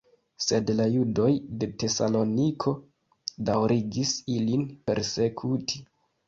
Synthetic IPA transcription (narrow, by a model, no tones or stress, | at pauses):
se̞dlajudo̞jde̞te̞salo̞nikʰo̞ | dawɾiɡisilinpe̞̰ɾse̞kʰutʰi̥